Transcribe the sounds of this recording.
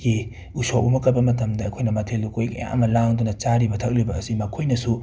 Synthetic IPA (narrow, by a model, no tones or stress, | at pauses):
ɡi | usoumɐkɐt̚bɐmɐt̬ɐmdɐɐkʰojnɐmɐtʰelːukojkɐja̰ŋʔɐ̰mɐlaŋdunɐt͡ʃaɾibɐtʰɐk̚libɐːsimɐkʰojnɐsu